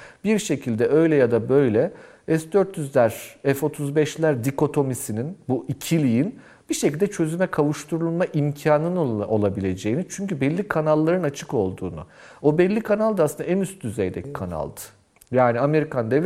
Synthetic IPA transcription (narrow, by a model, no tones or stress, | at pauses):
b̥iɾʃe̞cʰilʲd̪ɛʔø̞jlʲɛjad̪abø̞jlʲɛ | ɛsd̪øɾt̪ːjyzlʲæɾɛfo̞t̪ʰuzbɛʃlʲæɾd̪iko̞t̪ʰo̞misininbuʔicʰilʲijin | b̥iʃecilʲd̪ɛt͡ʃʰø̞zymɛkʰavuʃt̪ʰuɾulˠmaʔimcʰaːnɯno̞lˠabilʲe̞d͡ʒe̞jinit͡ʃʰyɲcybɛlʲːikʰanalˠːaɾɯnat͡ʃʰɯko̞lˠd̪ṵːnṵo̞bɛlʲːikʰanalˠd̪asɯnd̪aɛnyst̪̚d̪yzejd̪ɛ̥kʰana̰lˠd̪ɯ̥ | jaːniame̞ɾikʰand̪ɛvlʲ